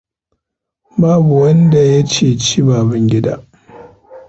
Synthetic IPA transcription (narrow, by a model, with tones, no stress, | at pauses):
baː˦bu˨wɐ˦nda˨ja˦t͡ʃeː˦˨t͡ʃi˦baː˨bɪ˦ŋɡʲɪ˦da̰ː˦